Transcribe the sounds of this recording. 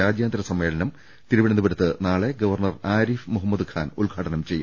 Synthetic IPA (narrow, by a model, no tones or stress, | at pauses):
aːd͡ʑjaːnd̪ɾɐsɐmːe̞ːɭɐnɐm | t̪iɾuʋiɳɐnubɐɾɐt̪ːɨnaːɭe̞ɡɐʋɐrɳɐraːɾifmuɦɐmːɐd̪ɨkʰaːnṵlɡʱaːʈɐnɐmt͡ɕe̞jːṵ